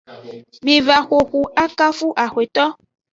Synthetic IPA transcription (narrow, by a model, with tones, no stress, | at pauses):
mĩ˧va˨xʷo˨xu˧a˦ka˦fu˦ʔa˨xwe˨t̪ɔ˦